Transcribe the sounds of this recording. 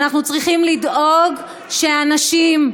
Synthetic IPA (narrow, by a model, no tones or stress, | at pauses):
naχnut͡sʁiχimlido̞ɡ | ʃeanaʃim